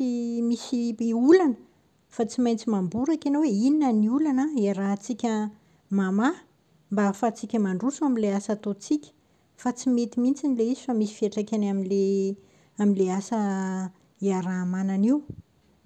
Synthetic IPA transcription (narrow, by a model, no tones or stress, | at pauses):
imisiulanə | fat͡simajnt͡simambuɾakʲanoweininəniulanaeɾat͡sikʲə | mama | mbaafat͡sikʲəmaɳɖ͡ʐusuaminleasat̪ot͡sikʲə̥ | fat͡simet̪imint͡sinileizifamisi̥fieʈ͡ʂakʲanaminle | aminleasə | iaɾamananiw